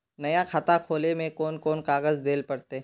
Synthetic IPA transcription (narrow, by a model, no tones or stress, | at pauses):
nɐjakʰat̪akʰoːlemẽkɔːnkɔːnkaːɣəzd̪eːlpɐɽt̪eː